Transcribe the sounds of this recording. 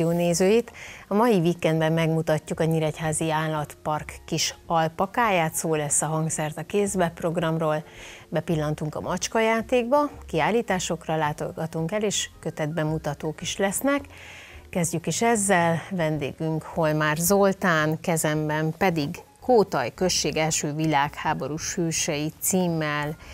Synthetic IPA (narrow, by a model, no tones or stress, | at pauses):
oːneːzøːjit̪ɒmɒjivikɛnd̪bɛmːɛɡmut̪ɒcːukɒɲiɾɛchaːziaːlɒt̪pɒrkːiʃɒlpɒkaːjaːt̪soːlɛsːɒɦɒŋksɛrt̪ɒkeːzbɛpro̞ɡrɒmroːlbɛpilːɒnt̪uŋkɒ̰mʔɒt͡ʃkɒjaːt̪eːɡbɒkiaːliːt̪aːʃo̞krɒlaːt̪oɡɒt̪uŋkɛleːʃkø̞t̪ɛd̪̚bɛmut̪ɒt̪oːkiʃlɛsnɛkː | ɛzɟykiʃɛzːɛlvɛnd̪ḛːɡyŋkho̞lmaːrzo̞lt̪aːnkɛzɛmbɛmpɛd̪iɡ | koːt̪ɒjkø̞sʃt͡ʃːeːɡɛlʃøːvilaːkhaːbo̞ɾuʃyːʃɛjit̪siːmːɛl